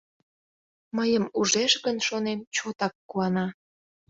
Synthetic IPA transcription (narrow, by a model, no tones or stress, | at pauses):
məjəmuʒeʃɣənʃonemt͡ɕot̪ɑkːuɑnɑ